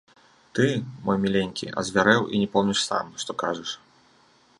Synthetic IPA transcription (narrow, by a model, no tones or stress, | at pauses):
t̪ɨmɔjmʲilʲenʲkʲḭʔɐ̰zʲvʲaɾɛwḭnʲɛpɔwnʲiʂsa̰mʂt̪ɔkaʐɨʂ